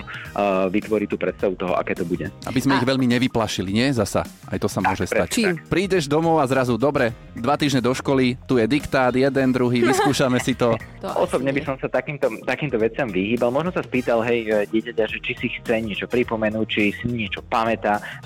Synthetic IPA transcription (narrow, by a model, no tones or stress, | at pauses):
ʋit̪ʋɔɾit̪uːpɾɛt̪st̪aʋut̪ɔɦɔ̰ʔa̰kɛːt̪ɔbuɟɛʔa̰bizmɛiɣʋɛʎmiɲɛʋiplaʃiliɲɪɛzasa̰ | a̰jt̪ɔsamʊɔʒɛst̪act͡ʃpɾiːɟɛʒd̪ɔmɔʊazɾazud̪ɔbɾɛ | d̪ʋat̪iːʒɲɛd̪ɔʃkɔlit̪ujɛd̪ikt̪aːd̪jɛd̪ɛnd̪ɾuɦiːʋiskuːʃamɛsit̪ɔʔɔsɔbɲɛbisɔmsat̪akiːmt̪ɔt̪akiːmt̪ɔʋɛtt͡sɪamʋiɦiːbalmɔʒnɔsaspiːt̪alɦɛjɟɪɛcacaʒɛt͡ʃisixt͡sɛɲɪɛt͡ʃɔpɾipɔmɛnuːt͡ʃisiɲɪɛt͡ʃɔpamɛt̪a